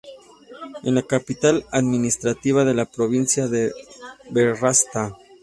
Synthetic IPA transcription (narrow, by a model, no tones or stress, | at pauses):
enlakapit̪alaðminist̪ɾat̪iβaðe̞lapɾoβinsjaðeberast̪a